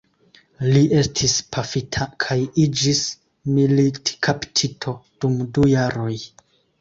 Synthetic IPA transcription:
liʔe̞stʰispʰafitʰakʰajid͡ʒis | militkʰaptʰitʰo̞d̥umdujaɾo̞j

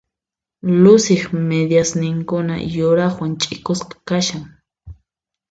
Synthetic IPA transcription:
lʊsɪχmed̪jasnɪŋkʊna̰jʊɾaχwant͡ʃʼɪkosqɑ̥kaʃaŋ

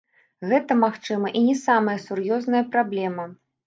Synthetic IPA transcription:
ɣɛt̪ɐmaxt͡ʂɨmɐʔinʲɛsamɐjɐsurjɔznɐjɐpɾablʲɛmɐ

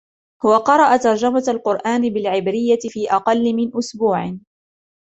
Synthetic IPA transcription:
hʊwaqɑɾˤɑʔat̪ɑɾˤd͡ʒamaalqʊɾʔaːnɪbɪlʕɪbɾɪjːat̪ɪfiːʔɑqɑlːɪmɪnʔʊsbuːʕ

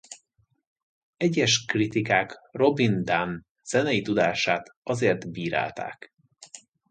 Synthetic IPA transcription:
ɛɟːɛʃkrit̪ikaːkro̞bind̪an | z̥ɛnɛjit̪ud̪aːʃaːt̪ɒzeːrt̪biːɾa̰ːlt̪a̰ːk

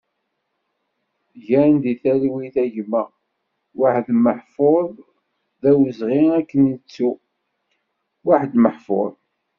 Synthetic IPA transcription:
ʝænd̪iθælwiθæʝmːə | waħd̪məħfoðˤ | ðæwəzʁiækːənit͡sːu | waħd̪məħfo̰ðˤ

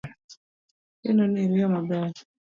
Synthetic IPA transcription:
ḛnoniɾijɔmaba

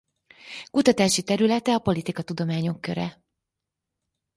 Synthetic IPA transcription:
kut̪ɒt̪aːʃit̪ɛɾylɛt̪ɛɒpo̞lit̪ikɒt̪ud̪o̞maːɲo̞kːø̞̰ɾɛ̰

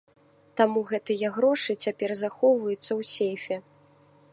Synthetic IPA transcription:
t̪amuɣɛt̪ɨjɐɣɾɔʂɨt͡sʲapʲɛrzaxɔwvɐjut̪sːɐwsʲejfʲɛ

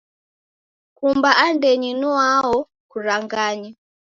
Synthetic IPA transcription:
kumbaʔandɛɲinuwaɔ | kuɾaŋɡaɲi

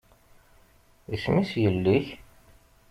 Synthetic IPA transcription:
əsmisjəlːiç

